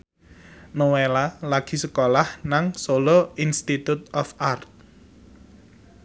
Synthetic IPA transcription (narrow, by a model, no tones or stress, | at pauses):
nowelalaɡ̥i̤səkolahnaŋsoloinst̪it̪ut̪̚ɔfart̪̚